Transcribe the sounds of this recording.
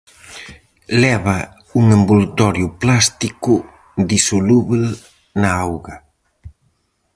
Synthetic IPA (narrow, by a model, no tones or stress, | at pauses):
lɛβa | uŋembult̪ɔɾjʊplast̪ikʊ | d̪isoluβel | naawɣɐ